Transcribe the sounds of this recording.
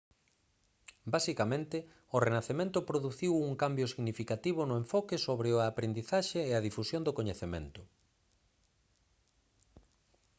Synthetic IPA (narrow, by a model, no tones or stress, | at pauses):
basikamẽnt̪ɪ | ʊrenaθemẽnt̪ʊpɾoðuθiwuŋkambjoʊsiɣnifikat̪iβ̞ʊnʊeɱfɔkɪsoβɾeʊaapɾend̪iθaʃeːaðifusjond̪okoɲeθemḛ̃nt̪ʊ